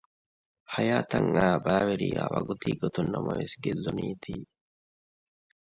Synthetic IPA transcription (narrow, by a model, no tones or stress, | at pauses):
hɐjaːt̪ɐŋːaːbaːwɛɾɪjaːwɐ̰ɡʊt̪iːɡɔt̪ɔnːɐmɔ̰jɛsɡɛzːɔniːt̪iː